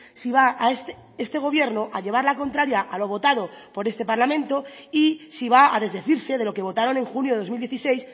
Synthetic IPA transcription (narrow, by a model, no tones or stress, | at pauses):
siβ̞aaest̪ | est̪e̞ɣ̞o̞β̞je̞ɾnoʔaʎe̞βaɾlako̞nt̪ɾaɾjaʔalo̞β̞o̞t̪að̞o̞ | po̞ɾe̞st̪e̞paɾlamẽ̞nt̪o̞isiβaað̞e̞zðe̞θiɾse̞ðe̞lo̞ke̞βo̞t̪aɾo̞nẽ̞ŋxunjo̞ðo̞zmild̪jeθisejs